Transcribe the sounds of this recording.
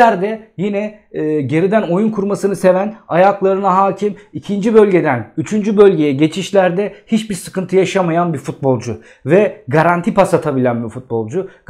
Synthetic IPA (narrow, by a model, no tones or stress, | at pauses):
æɾd̪ɛjinɛː | ɟe̞ɾid̪æno̞junkʰuɾmasɯnɯse̞vænajaklˠaɾɯnaɦaːcʰimicʰind͡ʒibø̞lʲɟe̞d̪ænyt͡ʃʰynd͡ʒybø̞lʲɟe̞jɛɟe̞t͡ʃʰiʃlʲæɾd̪ɛhit͡ʃbiɾsɯ̥kɯnt̪ʰɯjaʃamajanbifut̪̚bo̞lˠd͡ʒʊ | vɛɡaɾant̪ʰipasat̪ʰabilʲænbifut̪̚bo̞lˠd͡ʒu